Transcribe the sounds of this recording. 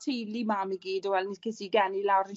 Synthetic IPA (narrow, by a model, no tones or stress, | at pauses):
tʰejlimamiɡiːdɔwɛlˠnikʰɪsiɡɛnilawɾən